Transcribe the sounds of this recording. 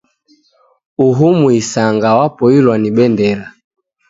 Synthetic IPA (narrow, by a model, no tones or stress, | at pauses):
uɦumuisaŋɡawapɔilwaniɓɛndɛɾa